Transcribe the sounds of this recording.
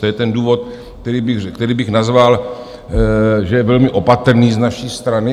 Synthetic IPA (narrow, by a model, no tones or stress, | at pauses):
ojɛt̪ɛnduːvot̪ | t̪ɛɾiːbɪkt̪ɛɾiːbɪxnazval | ʒɛjɛvɛlmɪʔo̞pat̪ɾ̩niːznaʃiːst̪ɾanɪ